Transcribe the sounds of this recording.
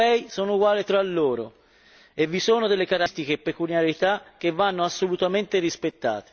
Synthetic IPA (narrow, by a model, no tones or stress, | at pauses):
ɛjsoːnouɡwaːlit̪ɾalːoːɾo̰ | evːisoːnod̪elːekaɾst̪ik̟eːpːekuljaɾit̪ak̟ːevːanːoasːolut̪ament̪erispet̪ːa̰ːt̪e̥